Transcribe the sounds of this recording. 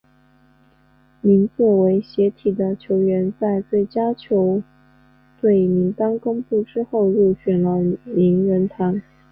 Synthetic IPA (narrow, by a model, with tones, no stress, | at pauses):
mi˧˥ŋt͡sɔ˥˩we˧˥ɪɕjɛ˧˥t̪ʰi˨˩d̪ə˦t͡ɕʰjo˧˥ʊɥɛ˧˥nt͡sa˥˧ɪt͡swe˥˩ɪt͡ɕja˥t͡ɕʰjo˧˥ʊ | t̪we˥˩ɪmi˧˥ŋt̪ɑ˥ŋkʊ˥ŋpu˥˩ʈ͡ʂɻ̩˥xo˥˧ʊɻu˥˩ɕɥɛ˨˩nlə˦mi˧˥ŋɻə˧˥nt̪ʰa˧˥n